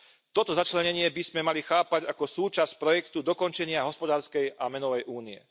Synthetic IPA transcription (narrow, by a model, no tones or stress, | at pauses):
t̪ɔt̪ɔzat͡ʃlɛɲɛɲɪɛbizmɛmalixaːpaɟakɔsuːt͡ʃaspɾɔjɛkt̪ud̪ɔkɔnt͡ʃɛɲɪaɦɔspɔd̪aːɾskɛjamɛnɔʋɛjʔuːniɛ̰